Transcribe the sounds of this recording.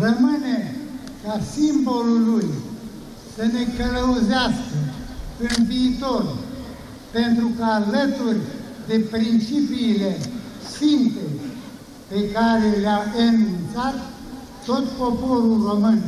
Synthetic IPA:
rəmɨne | kasimboluluj | səne̞kələuzeaskəɨnviːt̪orʲ | pent̪ɾukəalət̪urʲd̪e̞pɾint͡ʃipiːlesimpe | pe̞kaɾeleaənunt̪sat̪ː | o̞t̪popoɾulromɨn

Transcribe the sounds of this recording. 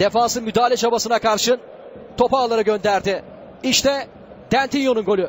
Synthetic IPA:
d̪̥efaːsɯmyd̪aːlʲɛt͡ʃʰabasɯnakʰaɾʃɯ | t̪ʰo̞paːlˠaɾɯɡønd̪æɾd̪ɪ | iʃt̪ʰɛ | d̪̥ænt̪ʰinjonunɡolʲˠu

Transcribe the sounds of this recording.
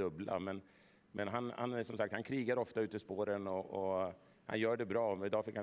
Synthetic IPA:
ɵbla̰mɛn | mʔɛnɦanha̰næʂɔmsakt̪hankʰɾiːɡaɾɔft̪aʉ̟ːt̪əɪspoːɾənɔʔɔ | ha̰njœːɖɛbɾɑːɪd̪ɑːfɪkːha

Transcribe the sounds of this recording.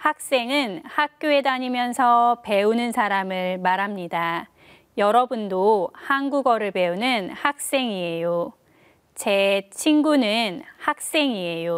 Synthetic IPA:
hak̚s͈e̞ŋɯnhak̚k͈joe̞daɲimjʌnsʰʌpe̞unɯnsʰaɾamɯɭmaɾɦamɲida | jʌɾʌbundohanɡuɡʌɾɯɭpe̞unɯnhak̚s͈e̞ŋiejo | t͡ɕe̞t͡ɕʰinɡunɯnhak̚s͈e̞ŋie̞jo

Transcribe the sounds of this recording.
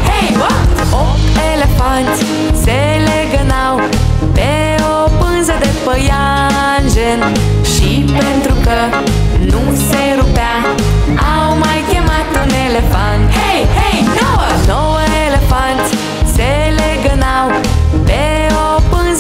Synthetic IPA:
hejw | okelefãnt̪ | se | leɡɐnaw | pe | opɨ̃nzɐd̪efəja | nʒen | ʃipẽnt̪ɾukə | nũ | seɾupa | awmajkemat̪unelefãnhejhejnownowɐelefãnt̪ | seleɡɐnaw | pe | opɨ̃nz

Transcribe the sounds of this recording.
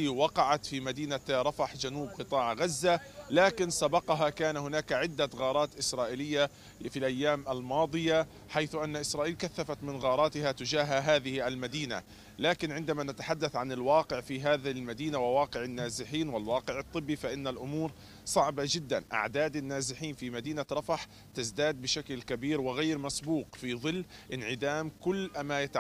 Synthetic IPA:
wɑqɑʕat̪fimad̪iːnaɾˤɑfaħd͡ʒanuːb̚qɨt̪ˤɑːʕɣazːalaːkɪnsabɑqɑɦakaːnhʊnaːkʕɪd̪ːaɣɑːɾˤɑːt̪ʔɪsɾˤɑːʔɪlɪjːa | filʔajːaːmʔalmɑːd̪ˤɨja | ħajθʊʔanːaʔɪsɾˤɑːʔiːlkaθːafat̪mɪnɣɑːɾˤɑːt̪ɪɦat̪ʊd͡ʒaːɦaɦaːðɪhʔalmad̪iːna̰ | laːkɪnʕɪnd̪amanat̪aħad̪ːaθʕanɪlwɑːqɪʕfiɦaːðɪlmad̪iːnawɪwɑːqɪʕɪnːaːzɪħiːnwɪlwɑːqɪʕɨt̪ˤːɨbːifaʔɪnːalʔʊmuːɾ | sˤɑʕbad͡ʒɪd̪ːa̰nʔa̰ʕd̪aːd̪ɪnːaːzɪħiːnfimad̪iːnaɾˤɑfɑħ | t̪ɪzd̪aːd̪̚bɪʃaklkabiːɾwɪɣaːɾmasbuːqfiðˤɨlː | ʔɪnʕɪd̪aːmkʊlːʔamajat̪a

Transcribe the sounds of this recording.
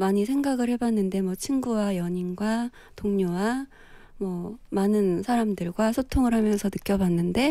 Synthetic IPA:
maɲisʰe̞ŋɡaɡɯɭhe̞banːɯnde̞mwʌt͡ɕʰinɡuwajʌɲinɡwa | toŋɲowa | mwʌmanɯnsʰaɾamdɯɭɡwasʰotʰoŋɯɭɦamjʌnsʰʌnɯk͈jʌbanːɯnde̞

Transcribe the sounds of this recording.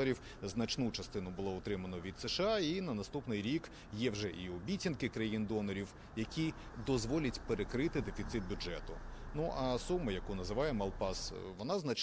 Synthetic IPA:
ɐɾʲiw | znɐt͡ʃnut͡ʃɐst̪ɪnʊbʊlˠɔɔt̪ɾɪmɐnɔʋʲid̪seʃɑinɐnɐst̪upnɪjɾʲik | jɛwʒɛʔiɔbʲitʲinkɪkɾɐjind̪ɔnɔɾʲiw | jɐkʲi | d̪ɔzʋɔlʲɐtʲpeɾekɾɪt̪ɪd̪efʲit̪sɪt̪̚bʲʊd͡ʒɛt̪ʊnuʔɐsumːʊjɐkunɐzɪʋɑjɛmɐlˠpɑs | ʋɔnɑznɐt͡ʃ

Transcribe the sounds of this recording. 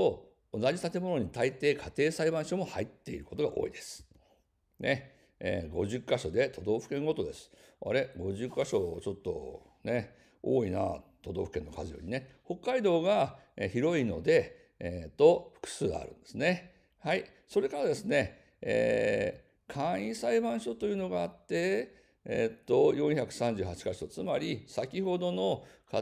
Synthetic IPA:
to̞ | onaʑit̪at̪e̞mo̞no̞ɲ̟it̪ait̪e̞ːkʰat̪e̞ːsaibãɰ̃ɕo̞mo̞hait̪ːe̞iɾɯ̟ko̞t̪o̞ɡaʔo̞̰ːid̪e̞sɨ̥ | ne̞̰ | ɡo̞̰ʑɨkːaɕo̞d̪e̞t̪ʰo̞d̪o̞ːɸɯ̟̥kẽ̞ŋɡo̞t̪o̞d̪e̞sɨ̥a̰ɾe̞ɡo̞ʑɨkːaɕo̞t͡ɕo̞t̪ːo̞̰ | ne̞ | o̰ːina̰t̪o̞d̪o̞ːɸɯ̟̥ke̞nːo̞kazɨjo̞̰ɾʲine̞ho̞kːaid̪o̞ːɡaeçiɾo̞ino̞̰d̪e̞ | t̪o̞ɸɯ̥kɯ̥sɨːɡa̰ɾɯ̟̃nd̪e̞sɨne̞ | hai | so̞ɾe̞kaɾad̪esɨne̞ | ḛː | kʰãɰ̃ĩsaibãɰ̃ɕo̞t̪o̞jɯ̟ːno̞ɡaːt̪ːe̞ | t̪ːo̞jõ̞çakɯ̟̥sãɲ̟d͡ʑɨːɦat͡ɕi̥kaɕoot͡sɨmaɾʲisakʲiho̞d̪o̞no̞ka

